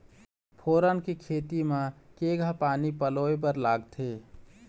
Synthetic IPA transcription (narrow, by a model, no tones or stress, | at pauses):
pʰoːɾənkekʰeːt̪imakeːɡʱapaːnipəloep̬əɾlaːɡt̪ʰe